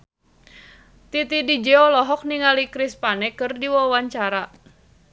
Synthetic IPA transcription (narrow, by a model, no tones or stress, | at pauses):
t̪it̪idid͡ʒɛɔlɔɦɔk̚niŋalikɾispanɛkɨrdiwawaɲt͡ʃaɾa